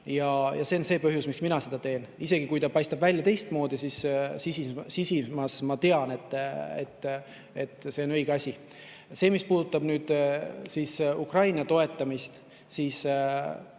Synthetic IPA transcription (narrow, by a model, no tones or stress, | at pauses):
jɑjɑse̞onse̞ːpɤɦjusmiksminɑse̞d̪̥ɑt̪e̞ːnise̞ɡ̥ikujt̪ɑpɑjst̪ɑb̥vælʲjɑt̪e̞jst̪mo̞ːd̪isissisisisimɑsmɑt̪e̞ɑne̞t̪ːˑḛt̪ːˑ | e̞t̪ːˑse̞o̞nɤjɡ̥eɑsʲi | se̞ːmispuːd̪̥ut̪ːˑɑb̥nyːd̪̥sisukrɑjnɑt̪o̞e̞t̪ːˑɑmist̪ | siːs